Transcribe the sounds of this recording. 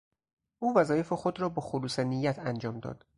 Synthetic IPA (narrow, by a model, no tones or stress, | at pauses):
ʔuːvæzɒːje̞fexod̪ɾɒːbɒːxoluːsenijːæt̪ʰænd͡ʒɒːmd̪ɒ̰ːd̪̥